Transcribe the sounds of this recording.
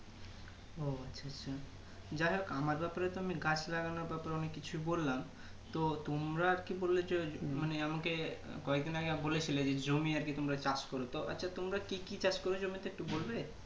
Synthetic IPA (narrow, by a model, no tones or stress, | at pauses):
oatːʰaatːɕʰa | d͡ʑaɦokamaɾbɛpaɾet̪oamiɡat͡ɕʰlaɡanoɾbɛpaɾeɔnekːit͡ɕʰuijbolːam | t̪ot̪omɾaɾkibolːed͡ʑemaneamakekɔek̚d̪inaɡeabolet͡ɕʰiled͡ʑed͡ʑomiaɾkit̪omɾat͡ɕat͡ɕkoɾot̪oa̰tːɕʰat̪omɾakikit͡ɕat͡ɕkoɾod͡ʑomit̪eek̚ʈubolbe